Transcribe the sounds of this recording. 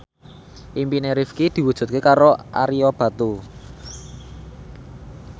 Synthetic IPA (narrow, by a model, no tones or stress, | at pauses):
ʔimpineɾifkid̪̥i̤wu̥ʒ̥ṳt̪̚kekaɾoʔa̰ɾiob̥a̤t̪u